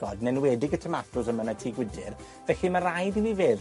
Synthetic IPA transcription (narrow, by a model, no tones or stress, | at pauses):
ɔdnɛnwɛːdɪɡətʰəmatʰʊsəmənatʰiːɡwɪdɪr | vɛɬimaɾajðiwiveːð